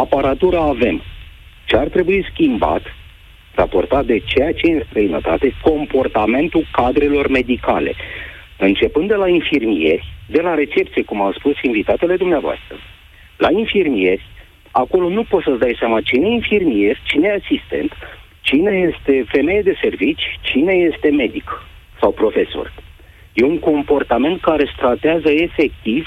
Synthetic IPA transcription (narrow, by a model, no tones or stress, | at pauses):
apaɾat̪uɾaːve̞m | t͡ʃeart̪ɾe̞buiskʲimba̰t̪ | ra̰po̞̰rt̪at̪̚d̪e̞t͡ʃejat͡ʃejɨnst̪ɾəinə̰t̪at̪e̞ko̞mpo̞rt̪ame̞nt̪ulkad̪ɾe̞lo̞rme̞d̪ika̰le̞̰ | ɨnt͡ʃe̞pɨnd̪d̪e̞lainfirmije̞̰rʲd̪e̞laɾe̞t͡ʃe̞p̚t̪sije̞kumawspusinvit̪at̪e̞le̞d̪umneavoa̰st̪ɾə | la̰infirmije̞rʲ | ako̞lo̞nupo̞t̪səsd̪ajseamat͡ʃineinfirmie̞rʲt͡ʃinejasist̪e̞̰nt̪ | t͡ʃine̞je̞st̪e̞fe̞me̞jed̪e̞se̞rvit͡ʃʲt͡ʃine̞je̞st̪e̞me̞d̪ik | sawpɾo̞fe̞so̞̰rʲ | je̞uŋko̞mpo̞rt̪ame̞nt̪̚kaɾe̞st̪ɾat̪eazəe̞fe̞k̚t̪iv